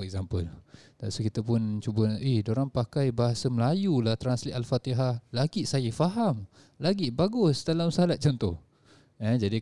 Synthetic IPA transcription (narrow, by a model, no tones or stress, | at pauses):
ɛk̚zampəlt̪a̰ʔsukit̪əpʊnt͡ʃubənihdoɾaŋpakajbaɦasəməlajulaht̪ɾanslit̪alfat̪iɦalaɡiʔsajəfaɦam | laɡiʔbaɡʊsdalamsəɦalat̪̚t͡ʃɔnt̪ɔh | əd͡ʒadi